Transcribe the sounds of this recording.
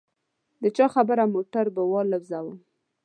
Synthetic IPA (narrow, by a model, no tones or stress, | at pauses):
d̪ət͡ʃɑxabəɾamoʈaɾbəwɑləwzawə